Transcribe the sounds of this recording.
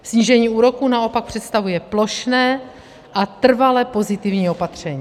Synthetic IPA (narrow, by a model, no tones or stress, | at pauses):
sɲiːʒɛɲiːuːɾo̞kuːnao̞pak̚pr̝̥ɛt̪st̪avujɛplo̞ʃnɛː | ʔat̪r̩valɛpo̞zɪt̪ɪvɲiːo̞pat̪r̝̥ɛɲiː